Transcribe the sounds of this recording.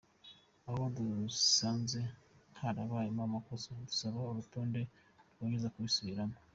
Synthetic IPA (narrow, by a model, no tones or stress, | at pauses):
aho̞dusaːnze̞n̥haɾaβaːjemamako̞sodusaβaoɾutoːnde̞ɾɡoːɲezakuβisuβiɾamo